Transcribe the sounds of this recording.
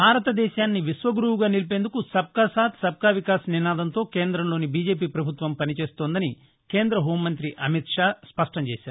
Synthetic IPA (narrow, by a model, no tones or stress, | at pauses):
bʱaːɾɐt̪ɐd̪ɛːʃaːnːiʋiʃʋɐɡɾuʋuɡaːnilip̬e̞ːnd̪ukusɐb̚kaːsaːt̪sɐb̚kaːʋikaːsɐninaːd̪ɐnt̪o̞ːkeːnd̪ɾɐmlo̞ːnibiːd͡ʒe̞ːpiːpɾɐbʱut̪ʋɐmpɐnit͡ʃe̞ːst̪oːnd̪ɐni | keːnd̪ɾɐɦoːmːɐnt̪ɾiʔɐmit̪ʂaːspɐʂʈɐmt͡ʃɛːʃaːɾuu